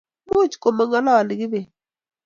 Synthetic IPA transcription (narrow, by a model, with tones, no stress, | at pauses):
mʊ˦t͡ʃko˨ma˨ŋɔ˦lɔ˦˨lɪ˨ɡɪ˦be˨